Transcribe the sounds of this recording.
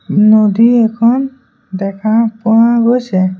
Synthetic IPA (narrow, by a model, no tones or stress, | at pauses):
nod̪iɛkʰɔn | d̪ɛkʰapuɦãɡot͡ʃʰɛ